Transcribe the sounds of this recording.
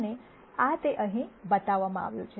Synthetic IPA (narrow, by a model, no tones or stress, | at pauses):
ne | at̪eʔə̃ɦĩbət̪aʋːamã̰a̰ʋjṵ̃t͡ʃʰe